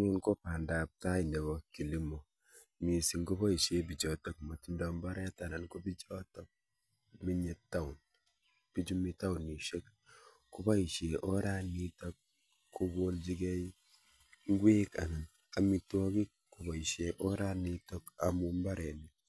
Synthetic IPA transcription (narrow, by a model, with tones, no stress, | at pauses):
ŋu˦nko˦pa˨nda˨p̚ta˦i˨nde˨βɔ˨ki˨li˦mɔ˨ | mi˨si˨ŋku˦bɔ˦i˨ʃe˦bi˨d͡ʒɔ˨tɔ˦kma˨ti˨˦ndɔ˨mba˦ɾɛ˦ta˨na˨nko˦bi˦d͡ʒɔ˦tɔ˦k̚ | mi˦ɲe˦tːa˦u˨n | pi˦d͡ʒu˦mi˦ta˦u˨ni˨ʃe˦k | ku˦ba˦i˨ʃe˨ʔo˦ɾa˦ni˦tɔ˦k̚ | kʰːu˦ɡo˦ld͡ʒi˦ɡɛ˦i | ŋ˦ɡwe˦ka̰˨na˨n | a˨mi˦tɔ˦ki˦ | ku˨bɔ˨i˨ʃe˨ʔo˦ɾa˦ni˦tɔ˦ka̰˨mu˦mba˦ɾɛ˨ni˨